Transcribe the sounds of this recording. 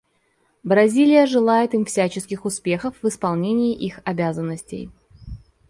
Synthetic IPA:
bɾɐzʲilʲɪjəʐɨlˠajɪt̪ɨmfsʲæt͡ɕɪskʲɪxʊspʲe̞xəfvɨspɐlˠnʲenʲɪjɪʔixɐbʲazənːəsʲtʲɪ̰j

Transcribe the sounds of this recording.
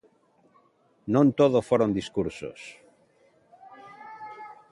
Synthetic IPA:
nõnt̪oðofoɾond̪iskuɾso̰s

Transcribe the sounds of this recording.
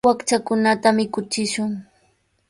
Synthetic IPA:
akt͡ʃakʊnat̪amɪkʊt͡ʃɪʃʊŋ

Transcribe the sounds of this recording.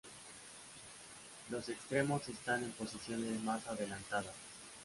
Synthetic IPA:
lo̞se̞kst̪ɾe̞mo̞se̞st̪ane̞mpo̞sisjo̞ne̞zmasaðe̞lant̪aðas

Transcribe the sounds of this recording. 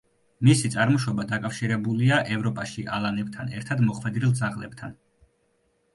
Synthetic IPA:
misit̪sʼaɾmɔʃɔbad̪akʼafʃiɾɛbuliaʔɛvɾɔpʼaʃiʔalˠanɛbt̪ʰanɛɾt̪ʰad̪mɔχʰwɛd̪ɾilˠd̪zaʁlɛbt̪ʰan

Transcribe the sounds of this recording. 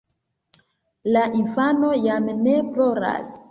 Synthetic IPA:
laʔinfano̞jamne̞plo̞ɾa̰s

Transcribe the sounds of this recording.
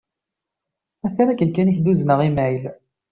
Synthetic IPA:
æθæɾækːənkæniçd̪uznəʁimæjl

